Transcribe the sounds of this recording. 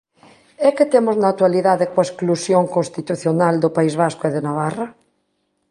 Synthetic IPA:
ɛket̪emoznaat̪waliðaðekwaesklusjoŋkõnst̪it̪uθjonald̪opaizβaskoeðenaβ̞ara

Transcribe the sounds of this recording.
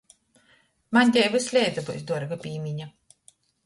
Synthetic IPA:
manʲt̪ʲɛjvɨsʲlʲɛjd̪zabusd̪uɔɾɡapʲiːmʲiɲa

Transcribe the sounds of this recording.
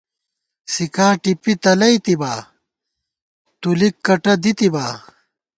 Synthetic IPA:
sikaːʈipit̪ɐlɐjt̪ibaː | t̪ulikːɐʈɐd̪it̪ibaː

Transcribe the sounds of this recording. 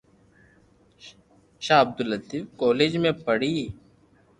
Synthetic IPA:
ʃaːɐb̚d̪ʊlət̪iːfkɔːleːd͡ʒmẽpəɽiː

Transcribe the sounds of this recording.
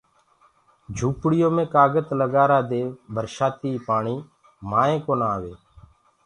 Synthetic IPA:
d͡ʒʱuːpɽɪjõːmẽːkaːɡət̪ləɡaːɾaːd̪eːbʱəɾʃaːt̪iːpaːɳiː | maːẽːkoːnaːʋeː

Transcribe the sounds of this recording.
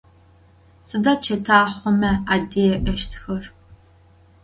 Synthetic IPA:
sɨdaːt͡ʃʰɐtʰaːχʷɔmɐaːdeːjɛʔɐʃtʰxɐr

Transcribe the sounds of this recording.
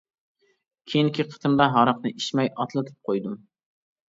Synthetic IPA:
kʲʰejiŋkʲʰiqʰə̥t̪ʰɨnd̪ɑɦɑɾɑqnɨʔiʃmɛjɑt̪ʰlˠɨt̪ʰɨ̥p̚qʰojd̪ʊm

